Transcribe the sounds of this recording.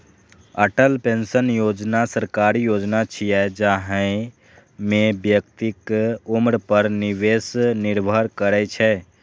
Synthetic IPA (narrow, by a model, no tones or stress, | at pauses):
əʈəlpensənjod͡ʒnasəɾkaɾijod͡ʒnat͡ʃʰijɛd͡ʒaɦɛ̃ɪ | mebjək̚t̪ikumɾpəɾniʋesniɾbʱəɾkəɾɛt͡ʃʰɛ